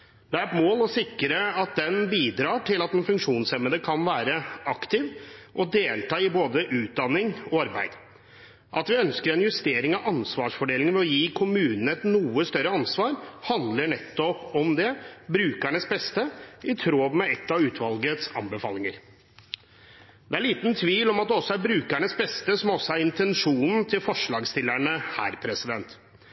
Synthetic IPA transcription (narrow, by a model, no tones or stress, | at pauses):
d̪ɛæɾɛt̪moːlɔsɪkːɾəɑt̪̚d̪ɛnbiːd̪ɾɑːʈʰɪlɑt̪ɛnfʉŋkʂuːnsɛməd̪əkʰɑnʋæːɾəɑkt̪ɪʋʔɔd̪eːlt̪ɑːɪboːd̪əʔʉːt̪̚d̪ɑnːɪŋɔɑɾbæɪd̪̥ | ʔɑt̪ʋɪœnskəɾɛnjʉst̪eːɾɪŋɑʋɑnsʋɑːʂfɔɖeːlɪŋənʋɛɔjiːkʰʊmʉːnənəɛt̪nuːəst̪œɾːəɑnsʋɑːɾhɑnd̪ləɳɛt̪ːɔpɔmd̪ɛbɾʉːkæɳəsbɛst̪əɪt̪ʰɾoːʋmɛɛt̪ːɑʉːt̪ʰʋɑlɡət̪sɑ̰nbəfɑːlɪŋəɾ | d̪ɛæɭiːt̪n̩t̪ʰʋiːlɔmɑt̪̚d̪ɛɔsːɔæɾbɾʉːkæɳəsbɛst̪əsɔmɔsːɔæɾɪnt̪ɛnʂuːnn̩t̪ʰɪlfɔʂɭɑːɡst̪ɪlːæɳəhæ̰ːɾpʰɾɛsɪd̪ɛnt̪